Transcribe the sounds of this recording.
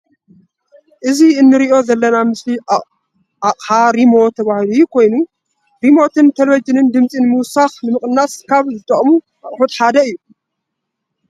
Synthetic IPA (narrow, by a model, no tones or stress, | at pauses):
ʔɨziɨnːɨɾiʔo̞zɐlːɐnamɨsli | aχʼħaɾimo̞t̪ʰɐβahlujukʰo̞jnu | ɾimo̞t̪ʰɨnt̪ʰelwid͡ʒɨnɨnd̪ɨmt͡sʼinɨmuwsaxnɨmɨχʼɨnːaskʰaβzɨt̪ʼɐχʼmu | ʔɐχʼfut̪ħad̪ɐɨjːu